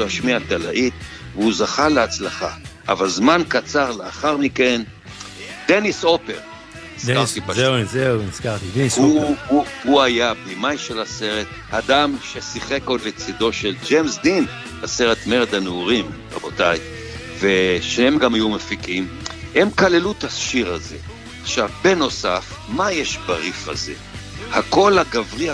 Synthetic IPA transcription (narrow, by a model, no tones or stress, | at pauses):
aʃmiat̪ala̰ʔit̪ | veuzaχaleat͡slaχa̰ʔa̰valzmankat͡saʁleaχaʁmike̞n | d̪eniso̞peʁ | iskaʁt̪ibazeiskaʁt̪iduuhuajabimajʃelase̞ʁe̞t̪ | had̪amʃe̞siχeko̞d̪let͡sid̪o̞ʃeld͡ʒemsd̪in | base̞ʁet̪meʁed̪aneuʁim | a̰bo̞t̪aj | veʃnehemɡamajumefikimhe̞mkale̞lut̪aʃiʁaze̞̰ | aχʃavbe̞no̞saf | majeʃbaʁifa̰ze̞̰hako̞lhaɡavʁi